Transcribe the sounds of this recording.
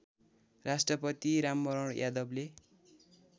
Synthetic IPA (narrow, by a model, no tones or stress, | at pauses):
rasʈrʌpʌt̪iɾamːʌɾʌɽjad̪ʌble